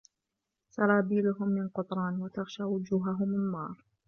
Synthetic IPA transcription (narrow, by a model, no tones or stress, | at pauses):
sɑɾˤɑːbiːlʊɦʊmːɪnqʊt̪ˤɾˤɑːnwat̪aɣʃaːwʊd͡ʒuːɦaɦʊmːɪnːɑ̰ːɾˤ